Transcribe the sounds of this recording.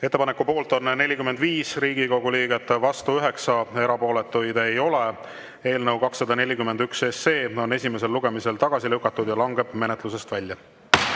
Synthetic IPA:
et̪ːepɑnekːˑupo̞ːlt̪ˑo̞nne̞lʲikymːe̞nd̪viːsriːɡiko̞ɡ̥uliːɡe̞t̪ːˑvɑst̪uyɦe̞ksɑe̞ɾɑpo̞ːle̞t̪ːˑujd̪̥e̞jo̞le̞ | e̞ːlnɤwkɑksːɑd̪ɑne̞lʲikymend̪̥yksesːe̞ːo̞ne̞sʲime̞se̞lːuɡe̞mise̞lt̪ɑɡ̥ɑsilɤwkːˑɑt̪ːˑud̪jɑlɑŋɡe̞b̥me̞net̪ˑlus̬e̞st̪vælʲjɑ

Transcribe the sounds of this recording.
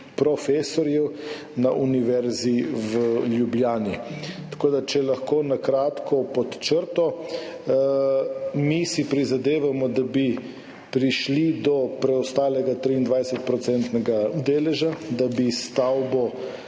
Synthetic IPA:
pɾɔfeːsɔɾjɛw | naʔuniʋɛɾziʋəljubljaːnit̪ḁkoːd̪at͡ʃɛlaxkoːnakɾaːt̪kʰɔpɔt̪t͡ʃəɾt̪ɔ | misipɾizad̪eːʋamɔd̪abi | pɾiʃlid̪ɔpɾɛɔst̪aːlɛɡat̪ɾiːnd̪ʋajsɛt̪̚pɾɔt̪sɛnt̪nɛɡaud̪eːlɛʒad̪abist̪awbɔ

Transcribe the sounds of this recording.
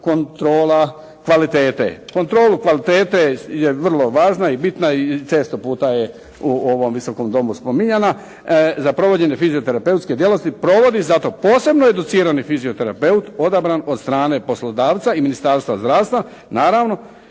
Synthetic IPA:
ko̞nt̪ɾoːla | kʋalit̪e̞ːt̪ḛko̞nt̪ɾo̞ːlukʋalit̪eːt̪eje̞ʋr̩lˠo̞ʋaːʒnaibit̪nait͡ʃe̞ːst̪o̞puːt̪aje | uoʋo̞mʋiso̞ko̞md̪o̞muspo̞miɲena | zapɾo̞ʋo̞d͡ʑe̞ɲe̞fiziot̪e̞ɾape̞ut̪ske̞d̪je̞lo̞st̪ipɾo̞ʋo̞d̪izat̪o̞po̞ːse̞bnoed̪ut̪siːɾanifiziot̪e̞ɾape̞ut̪o̞d̪abɾano̞d̪st̪ɾaːne̞po̞slo̞d̪aːʋt̪saiminist̪aːɾst̪ʋazd̪ɾaːʋst̪ʋa | naːɾaʋno̞

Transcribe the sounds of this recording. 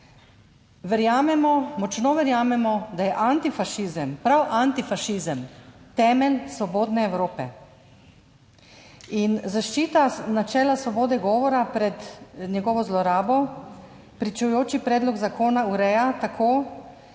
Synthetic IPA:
ʋɛɾjaːmɛmɔmɔt͡ʃnɔʋɛɾjaːmɛmɔd̪ajɛʔant̪ifaʃiːzəmpɾawʔant̪ifaʃizəmt̪ɛːmɛlsʋɔboːd̪nɛːwɾoːpɛ̰ | inzaʃt͡ʃiːt̪anat͡ʃɛːlasʋɔboːd̪ɛɡɔːʋɔɾapɾɛd̪nɛɡɔːʋɔzlɔɾaːbɔ | pɾit͡ʃujoːt͡ʃipɾɛːd̪lɔɡzakʰoːnauɾɛjat̪akʰoː

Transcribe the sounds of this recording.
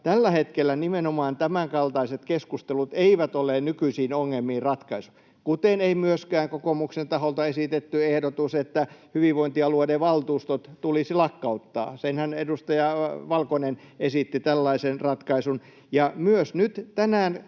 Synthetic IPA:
t̪ælːæhet̪kelːænimenomɑːnt̪æmæŋkɑlt̪ɑiset̪keskust̪elut̪eiʋæt̪olːˑeːnnykyisiːnoŋːelmiːrrɑt̪kɑisu̥ | kut̪eneimyøskæːŋkokomuksent̪ɑholt̪ɑesit̪et̪ːyehdot̪uset̪ːæhyʋiʋʋoint̪iɑluodeʋɑlt̪uːst̪ot̪t̪ulisilɑkːɑut̪ːɑ̰ːsenhænedust̪ɑjɑʋɑlkonen | esit̪ːit̪ælːɑisenrɑt̪kɑisun | jɑmyøsnyt̪t̪ænæːn

